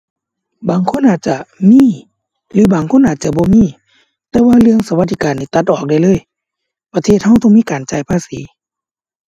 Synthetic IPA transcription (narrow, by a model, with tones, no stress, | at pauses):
baː˨˩ŋkʰo˧˥˨nʔaː˨˩t̪̚t͡ɕa˧˩miː˧˥˨ | lɯː˨˦baː˨ŋkʰo˧˥˨nʔaː˨˩t̪̚t͡ɕa˧˦bɔː˧˦miː˧˥˨ | t̪ɛː˧waː˧lɯ˧əŋsa˧wa˧t̪̚ːi˧kaː˨nːiː˧˩t̪a˧t̪̚ʔɔː˧˨˩k̚da˧˩jlɤː˧˥˨j | pa˧eː˧˩t̪̚ha˧˥˨wt̪ɔ˧˨ŋmiː˧˥˨kaː˨˩˨nt͡ɕa˧˩jpʰaː˧˥˨siː˨˦